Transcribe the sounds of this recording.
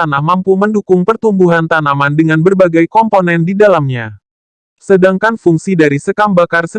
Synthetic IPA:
anahmampuməndukʊŋpərt̪umbuɦant̪anamandəŋanbərbaɡajkɔmponɛndidalamɲa | sədaŋkanfuŋsidaɾisəkambakarsə

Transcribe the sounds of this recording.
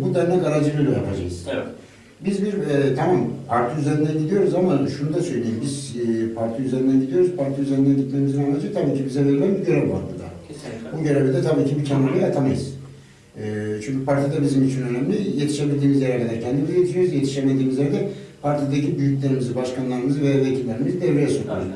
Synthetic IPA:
bud̪æɾnɛɡaɾad͡ʒɯbelʲijapʰad͡ʒa̰kɯz̥ | bizbiɾɛt̪ʰamampʰaɾt̪ʰɯyzeɾind̪ænid̪ijo̞ɾuzamaʃunud̪asø̞jlʲejimbizpʰaɾt̪ʰiyzeɾind̪ænɟid̪ijo̞ɾuzpʰaɾt̪ʰiyzeɾind̪ænd̪iclʲe̞ɾimizinanad͡ʒɯt̪ʰabiːcʰibizɛveɾinænbiɟeɾɛlʲfa̰ɾt̪ʰɯd̪a̰ | buɟøɾebed̪ɛt̪ʰabiːcʰibicʰanːaɾˠajat̪ʰamajɯz̥ | ɛːt͡ʃʰyɲcʰypʰaɾt̪ʰid̪abizimit͡ʃʰinø̞næmlʲijet̪ʰiʃebilʲd̪iːmizjɛɾæɾlːʲed̪æɾcʰɛnd̪imizɛje̞t̪ʰiʃijo̞ɾuzjet̪ʰi̥ʃemed̪iːmizlʲɾend̪ɛpʰaɾt̪ʰid̪ecʰibyjycʲlʲe̞ɾimizibaʃkanlˠaɾɯmɯzɯvejavet̪ʰillʲeɾimizd̪evɾejɛsoka̰ɾɯ

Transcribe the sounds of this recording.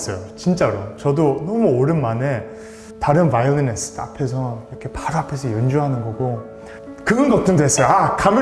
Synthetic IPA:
s͈ʌjot͡ɕint͡ɕ͈aɾot͡ɕʌdonʌmuoɾɯnmane̞ | taɾɯnwajʌɡines͈ʰɯ̥t͈a̰pʰe̞sʰʌiɾʌkʰe̞paɾapʰe̞sʰʌjʌnd͡ʑuɦanɯnɡʌɡo | kɯɡʌnɡʌt̚t͈ɯndeɦes͈ʌjoakam

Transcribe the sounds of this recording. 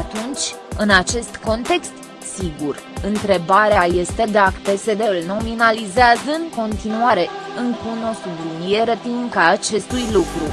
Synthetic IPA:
at̪unt͡ʃʲɨnat͡ʃe̞st̪ko̞nt̪e̞kst̪ | siɡur | ɨnt̪ɾe̞baɾeaje̞st̪e̞d̪akt̪ese̞d̪elno̞minalizeazəɨŋko̞nt̪inuaɾe̞ɨŋkuno̞sublinije̞ɾət̪iŋkaːt͡ʃe̞st̪ujlukɾu

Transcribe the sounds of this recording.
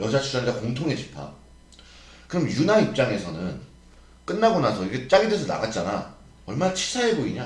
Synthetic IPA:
jʌd͡ʑat͡ɕʰud͡ʑandakoŋtʰoŋet͡ɕi̥pʰa̰ | kɯɾʌmjunaɾip̚t͡ɕ͈aŋe̞sʰʌnɯn | k͈ɯnːaɡonasʰʌiɡe̞t͡ɕ͈aɡidesʰʌna̰ɡat̚t͡ɕ͈ana̰ | ʌɭmanat͡ɕʰi̥sʰaɦe̞boiɲa

